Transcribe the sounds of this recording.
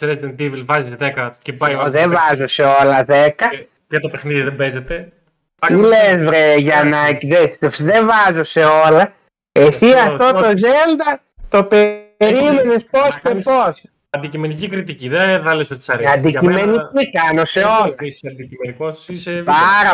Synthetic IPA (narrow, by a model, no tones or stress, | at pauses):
sɾezid̪ent̪ivilvɐzizðekɐcepajðevɐzose̞o̞lɐðekɐ | jɐt̪opexniðiðembezet̪e | ilezvɾeʝɐnacðet̪epsiðevɐzo̞se̞olɐ | esiɐft̪o̞t̪ozeld̪ɐ | t̪opeɾimenesposkepos | ɐnd̪icime̞nicikɾit̪iciðeθɐlesot̪sɐɾɐnd̪iimenikikɐno̞se̞o̞lɐɐd̪iimenikosiseaɾɐ